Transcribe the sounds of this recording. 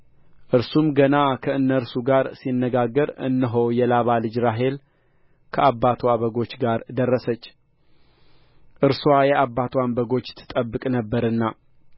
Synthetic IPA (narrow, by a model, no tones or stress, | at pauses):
ʔɨɾsumɡənakʰəɨnːəɾsuɡaɾsinːəɡaɡːəɾɨ̰nːɨɦowjɛlaβalɨd͡ʒɾaɦe̞l | kʰəʔabːat̪ʰwaβəɡo̞t͡ʃːɡaɾd̪ərːəsət͡ʃː | ʔɨɾswajɛʔabːat̪ʰwambəɡo̞t͡ʃːt̪ʰːɨ̥t̪ʼəbːɨkʼnəbːəɾɨnːa